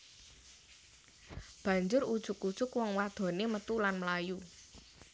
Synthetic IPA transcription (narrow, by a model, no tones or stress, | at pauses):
b̥ä̤ɲd͡ʒʊrud̥ʒ̥ʊ̤kud̥ʒ̥ʊkwɔŋwad̪̥ɔ̤nemət̪ulanməlaju